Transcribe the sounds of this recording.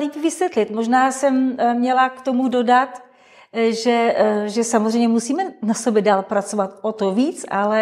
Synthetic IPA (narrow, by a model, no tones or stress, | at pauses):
liːpvɪsvjɛt̪lɪt̪moʒnaːsɛmmɲɛlakt̪o̞mudo̞dat̪ | ʒɛʒɛsamozr̝ɛjɲɛmusiːmɛnasobjɛdaːlpɾat͡sovat̪ot̪oviːt͡sʔalɛ